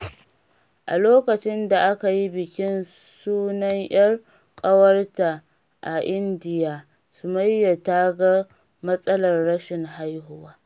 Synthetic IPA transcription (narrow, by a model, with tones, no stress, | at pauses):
ʔa̰˨loː˦kɐ˨t͡ʃɪ˦nda˨ʔa˦ka˨ji˦bɪ˨kʲɪ˦n | suː˦nɐ˦ŋj̰ɐ˦r | kʼɐ˦wɐ˦rta˨ | ʔa˨ʔɪ˦ndɪ˨jaː˨ | sʊ˨mɐ˦jːa˨taː˦ɡa˦ | mɐ˦sʼɐ˦lɐ˨rːɐ˦ʃɪ˨ŋɦa˦jɦʊ˦waː˦